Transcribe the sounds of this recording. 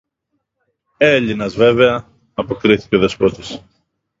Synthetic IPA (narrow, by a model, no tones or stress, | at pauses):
e̞ʎinɐzve̞ve̞ɐː | po̞kɾiθi̥ceoðe̞spɾot̪is